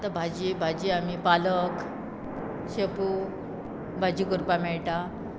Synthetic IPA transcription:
t̪abʱad͡ʑibʱad͡ʑiam̤ipalək | ɕepu | bʱad͡ʑiːkuɾpamɛɭʈa

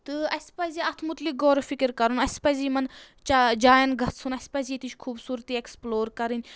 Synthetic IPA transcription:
t̪ɨɐsʲpɐziɐt̪ʰmut̪lik̚ɡoːɾfʰikiɾkɐɾunɐsʲpɐziːmɐn | t͡ʃad͡ʒaːjɐnɡʱɐt̪sunɐsʲpɐziːt̪it͡ʃʰkʰuːbsuːɾt̪iːeksploːɾkɐɾɨnʲ

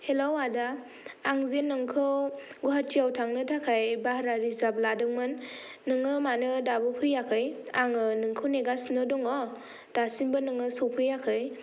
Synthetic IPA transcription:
helawada | aŋzenːɯŋkʰɯwɡuɦatʰiawtʰaŋnɯtʰakʰajbahɾaɾizab̚ladɯŋmɯnː | ɯŋɯmanɯdabɯpʰɯjːakʰɯjaŋɯnɯŋkʰɯwneɡasnɯdɔŋɔ | d̥asimbɯnɯŋɯsɔwpʰɯjːakʰɯj

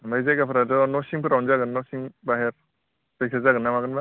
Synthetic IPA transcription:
majzakapʰɯɾadɔnɔsiŋpʰɯɾawnzaɡɯnːɔsiŋbaɦeɾ | beksʰazaɡɯnːamaɡɯnba

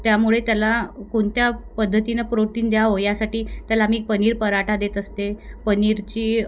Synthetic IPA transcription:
t̪jamuɭet̪jalakoɳt̪japəd̪ʱːət̪inəpɾoʈiːnd̪jaʋojasaʈiːt̪jalaːmiːpəniːɾpəɾaʈʰad̪et̪əst̪epəniɾt͡ɕiː

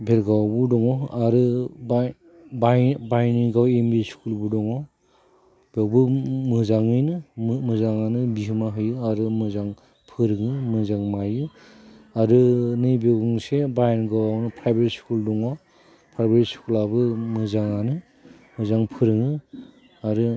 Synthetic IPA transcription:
bʱelɡawbudɔŋɔaɾɯb | babajnɯɡawembiskʰulbudɔŋɔ | bewbɯmɯzaŋɯjnɯmɯzaŋanɯbiɦɯmaɦɯjɯaɾɯmɯzaŋ | pʰɯɾɯŋɯmɯzaŋmajɯ | aɾɯnɯjbewɡuŋsebajnɡawawnɯpʰɾajbetskuldɔŋɔ | pʰɾajbetskulabɯmɯzaŋanɯ | mɯzaŋpʰɯɾɯŋɯ | aɾɯ

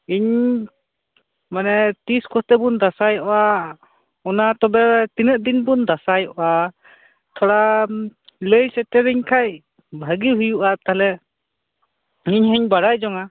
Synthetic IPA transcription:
iɲ | manɛt̪iskɔst̪ɛbund̪asajɔʔɔa | ɔnat̪ɔbɛt̪inəʔ̪̚d̪inbund̪asajɔʔa | t̪ʰɔɽa | ləjsɛtɛɾiɲkʰaj | bʱaɡiɦujuʔat̪aɦlɛ | iɲhəɲbaɽajd͡ʒɔŋa

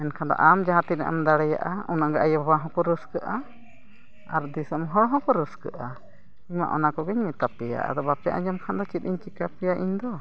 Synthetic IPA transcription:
ɛnkʰand̪ɔ̰ʔamd͡ʒaɦãt̪iɾa̰ʔa̰md̪aɽɛja̰ʔaunaʔɡaʔajbabaɦɔ̃kɔɾəskəʔa | aɾd̪isəmɦɔɽɦɔ̃kɔɾəskə̰ʔa | iɲma̰ʔɔnakɔɡɛɲmɛt̪apɛja̰ʔa̰d̪ɔbapɛja̰ʔad͡ʒamkʰand̪ɔt͡ʃit̪̚ˀiɲt͡ʃikapɛjaʔiɲd̪ɔ

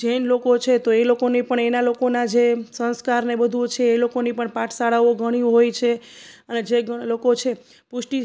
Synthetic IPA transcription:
d͡ʒenlokot͡ʃʰet̪oelokonipəɳenalokonad͡ʒesə̃nskaɾnebəd̪ʱut͡ʃʰeːlokonipəɳpaʈʰsaɽaʋoɡʱəɽ̃iɦojt͡ʃʰeəned͡ʒeɡəlokot͡ʃʰe | puʃʈi

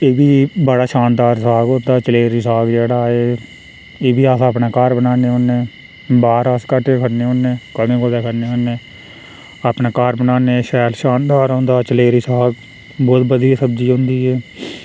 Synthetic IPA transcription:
eːbiːbəɽaːʃaːnd̪aːɾsaːɡõːnd̪aːt͡ʃəleːɾiːsaːɡd͡ʒeːɽaːeː | eːbiːaːsaːpneːkaɾbənaːneːɦoːnːẽː | baːɾaːskəʈːeːkəɾneːɦõːnːẽːkəmẽːkoːd̪aːkəɾneːɦõːnːeː | aːpneːkaːɾbənaːneːʃɛːlʃaːnd̪aːɾõːnd̪aːt͡ʃəleːɾiːsaːɡ | bɔːt̪bəd̪iasəbd͡ʒiːɦõːnd̪iːɛː

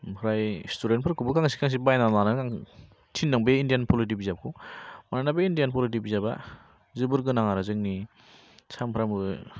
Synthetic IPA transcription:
ɾajstuɾentpʰɯɾkʰubɯkʰaŋsi̥kʰaŋs̬ibajnananakaŋ | tʰinːaŋbeindijanpʰolit̬ibizap̚kʰumananabeindijanpʰɔlit̬ibizaba̰ | zɯbɯɾɡɯnaŋaɾazɯŋni | sampʰɾamɯ

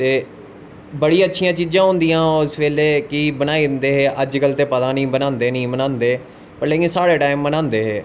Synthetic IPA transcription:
t̪eː | bəɽiːãːətːʃʰijãːt͡ʃiːd͡ʒãːɦʊ̃nd̪ijãːʊsʋeːleːkɪbənaːid̪ɪnd̪eːɦeːʔəd͡ʒɡəlt̪eːpət̪ãːnĩːbənãːnd̪eːnĩːbənãːnd̪eː | pəɾleːkɪ̃ːsaːɽeːʈaːɪimːənãːnd̪eːɦeː

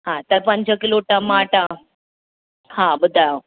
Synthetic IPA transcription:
ɦãt̪əɾpãɲt͡ɕakiloʈamaʈa | hãbəd̪ʱːa

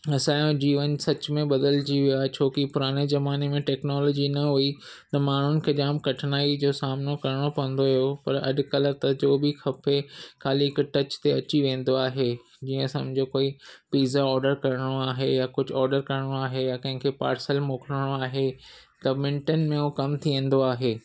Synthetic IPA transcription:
ɐsãːjõd͡ʑiːʋənsɐt͡ɕmẽɓɐd̪əld͡ʑiʋiaːɦet͡ɕʰoːkipʊɾaːñezɐmaːnemẽʈɛːknɔːlɔːd͡ʑinɐɦui | t̪ɐmaːn̤ʊnɪ̆kʰeːd͡ʑaːmkɐʈʰnaːid͡ʑoːsaːmnokɐɾɪɽ̃opɐə̃n̆d̪oɦijopɐɾɐ̰ɗkɐləɾt̪ɐd͡ʑoːbixɐpʰexʰaːliɪkʈɐt͡ɕt̪eɐt͡ɕiʋẽːn̆d̪oaːɦe | d͡ʑiːə̃sɐ̰̃md͡ʑʱokoːipiːzaɔːɾɖəɾkɐɾɪɽ̃oaːɦejakʊd͡ʑʱʊɔːɾɖəɾkɐɾɪɽ̃oaːɦejakɐ̃ɦɪ̃ŋkʰepa̰ːɾsəlmoːkləɽ̃oaːɦe | t̪ɐmɪ̃ɳʈənmẽokɐmt̪ʰiʋẽːn̆d̪oaːɦeː

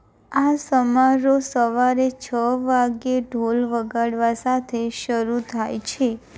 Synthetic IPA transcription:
asəmaɾosəʋaɾet͡ʃʰəʋaɡeɖʱolʋəɡaɽʋasat̪ʰeʃəɾut̪ʰajt͡ʃʰe

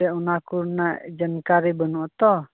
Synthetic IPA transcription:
ɛunakuɾnaʔd͡ʒənkaɾibənɔʔt̪ɔ

